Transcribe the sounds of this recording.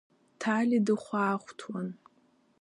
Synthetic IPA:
tʰalʲidɨχʷaːχʷtʰwan

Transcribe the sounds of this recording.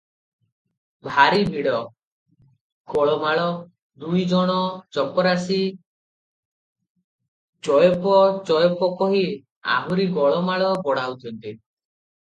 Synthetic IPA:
bʱaɾibiɽɔ | ɡɔɭɔmaɭɔ | d̪ujd͡ʒɔɽ̃ɔt͡ʃɔpɔɾasi | t͡ʃɔjɔpɔt͡ʃɔjɔpɔkɔɦi | a̰ɦuɾiɡɔɭɔmaɭɔbɔɽaut̪ʰɔnt̪i

